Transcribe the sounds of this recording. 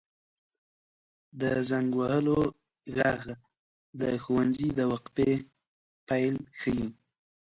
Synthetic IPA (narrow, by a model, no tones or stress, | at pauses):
d̪əzaŋɡwahəlo | ɣɑɣ | d̪əxuwanzid̪əwaqp̪e | pajlxəji